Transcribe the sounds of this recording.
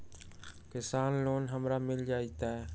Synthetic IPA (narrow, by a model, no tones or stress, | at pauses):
kɪsaːnloːnɦəmɾamɪld͡ʒaːit̪aɦɛː